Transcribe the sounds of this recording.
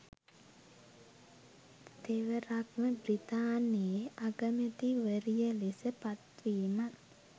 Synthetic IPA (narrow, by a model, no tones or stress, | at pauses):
t̪eʋəɾakməbrit̪aːnijeʔaɡəmet̪iʋəɾijəlisəpat̪ɾiːmat̪